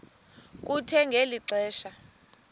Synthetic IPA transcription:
k̬utʰɛŋɡʱeliǀɛːʃa

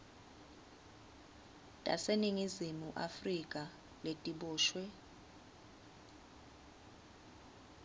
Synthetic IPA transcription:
tʼa̰seniŋizimuʔafrikʼa | letʼiɓɔːʃwɛ

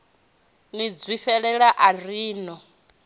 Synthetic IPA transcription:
nid͡zwiɸɛɺɛɺaʔariːnɔ

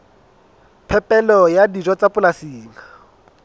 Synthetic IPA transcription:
pʰɛpʼɛlɔjadid͡ʒɔt͡sapʊlasiːŋa

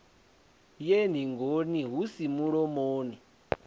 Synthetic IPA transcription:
jen̤iŋɡoniɦusimuɺɔmoːni

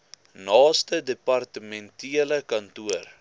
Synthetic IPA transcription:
nɑːstədepɐrtəmɛntiələkɐntuər

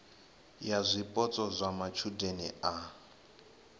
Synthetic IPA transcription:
jazʷipʼɔt͡sʼɔzʷamat͡ʃʰudenɛ̰a

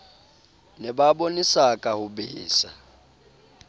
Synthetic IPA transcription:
nɛɓaɓonisakʼahuɓiːsa̰

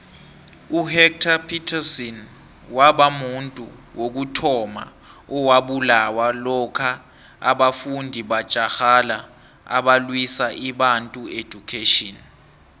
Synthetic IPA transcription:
uhɛk̚tʰapʰitʰasɔn | waɓamuntʼuwʔok̬utʰɔma̰ | ɔwaɓulawalɔkʰa | a̰ɓafundʱiɓḁt͡ʃʼaxala | a̰ɓalwisaʔiɓantʼue̥ʒ̥ʱukʰeːtɔn

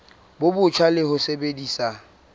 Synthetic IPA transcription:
bʊbʊt͡ʃʰwalɪhʊsebedisa

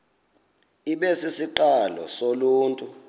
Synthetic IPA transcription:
iɓesisiǃalɔ̰soluːntʼu

